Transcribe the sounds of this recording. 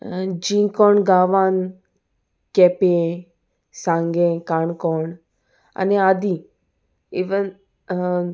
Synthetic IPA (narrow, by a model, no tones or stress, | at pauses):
d͡ʒĩkɔːɳɡaːʋaːn | kɛpẽ | sãŋɡẽkaːɳkɔɳ | a̰nead̪i | iʋən